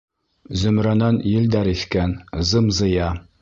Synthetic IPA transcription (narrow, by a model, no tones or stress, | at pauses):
zɵ̆mɾænɑnjɘld̪æɾiθkænzɤmzɤ̆jɑ